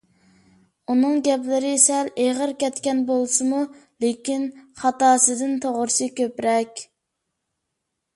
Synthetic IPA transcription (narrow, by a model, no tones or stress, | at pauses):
unɨŋɡʲɛplɪɾɪsɛleʁəɾkʲɛt̪kʲɛnbolˠsɨmulekʲinχɑt̪ɑːsɨd̪ɨnt̪ʰoʁʊɾɨsɨkʲøpɾɛkʲ